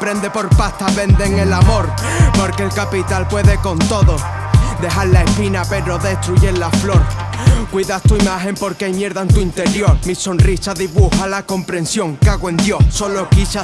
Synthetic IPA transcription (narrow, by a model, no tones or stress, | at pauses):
pɾe̞nd̪e̞po̞ɾpaht̪aβe̞nd̪e̞ŋe̞lamo̞ɾ | po̞ɾkelkapit̪alpwe̞ðe̞ko̞nt̪o̞ðo | d̪e̞ɦaɾlae̞spinape̞ɾo̞ðe̞st̪ɾuʝelaflo̞ɾ | kwiðast̪uimaɦe̞mpo̞ɾkejmje̞ɾðaent̪uint̪e̞ɾjo̞ɾmiso̞nrisaðiβuhalako̞mpɾẽ̞nsjo̞ŋkaɣoe̞nd̪jo̞so̞lokisa